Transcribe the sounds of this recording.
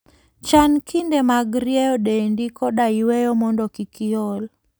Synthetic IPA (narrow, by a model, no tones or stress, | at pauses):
t͡ʃankindemaɡɾjɛjɔɗendikɔɗaiwejɔmɔndɔkikɪɔl